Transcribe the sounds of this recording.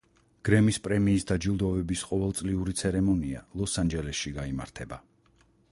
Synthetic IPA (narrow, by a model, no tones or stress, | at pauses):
ɡ̥ɾɛmispʼɾɛmiːsd̪ad͡ʒilˠd̪ɔvɛbisqʼɔvɛlˠt̪sʼliuɾit̪sʰɛɾɛmɔnia̰lˠɔsand͡ʒɛlɛsʃiɡaima̰ɾt̪ʰɛba